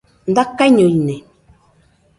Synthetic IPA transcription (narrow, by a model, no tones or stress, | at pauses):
n̩dakːaɲojne